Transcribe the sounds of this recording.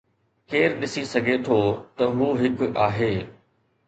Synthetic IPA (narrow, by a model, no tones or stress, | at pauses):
keːɾɗɪsisɐɡʱet̪ʰoːt̪ɐɦuːɦɪkʊaːɦeː